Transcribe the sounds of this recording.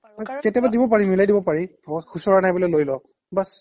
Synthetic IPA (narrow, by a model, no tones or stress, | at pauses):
ɔkɛtɛbadibɔp̬aɹimilajdibɔpaɹibɔxusɔɹanajbɔlojlojlɔk̚ | bas